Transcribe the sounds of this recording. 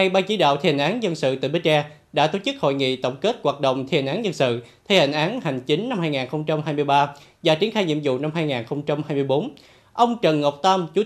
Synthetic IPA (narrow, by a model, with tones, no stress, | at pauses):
a˧jɓaː˧t͡ɕi˨˦ɗa̰ː˧˨wt̪ʰi˧˩˨ŋʔaː˨˦nzə˧nsɨ̰˧˨t̪ɨ̰˧˨ɓi˨˦t͡ɕɛ˧ | ɗa̰ː˧˥t̪o˧˩t͡ɕɨ˦˥k̚ho̰˧˨jŋḭ˧˨t̪ə̰˧˩wŋ͡mke˦˥t̚ɣwaː˨˩t̚ɗə̰˧˨wŋ͡mt̪ʰi˧˩ha˨˩ŋ̟ʔːnzə˧nsɨ̰˧˨t̪ʰə˧jha̰˧˩jŋ̟ʔaː˨˦nha˨˩ŋ̟t͡ɕi˨˦ŋna˧mhaː˧jŋaː˨˩nxə˧wŋ͡mt͡ɕa˧mhɦaː˧jmɨ˧jɓaː˧ | zaː˨˩t͡ɕi˨˦ənxaː˧jɲḭ˧˨əzṵ˧˨na˧mɦaː˧jŋaː˨˩nxə˧wŋ͡mt͡ɕa˧mhaː˧jmɨ˧əjɓo˨˦n | ʔə˧wŋ͡mt͡ɕə˨˩nŋə˨˩wk͡p̚t̪aː˧mt͡ɕu˨˦